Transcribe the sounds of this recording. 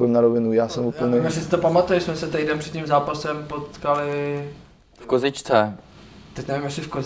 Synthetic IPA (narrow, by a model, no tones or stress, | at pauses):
ɛmnaɾovɪnujaːsɛmuːpl̩ɲɛmasɪsɪ̥t̪opamat̪ujɛsmɛsɛt̪ɛjdɛnpr̥ɛt̪̚cimzaːpasɛmpot̪kalɪ | fkozɪt͡ʃt͡sɛ | t̪ɛcnɛvimjɛsɪfko